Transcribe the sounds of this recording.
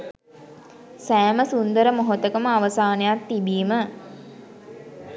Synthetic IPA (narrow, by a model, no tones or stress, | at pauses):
sæːməsund̪əɾəmoɦot̪əkəməaʋəsaːnejat̪ːibiːmə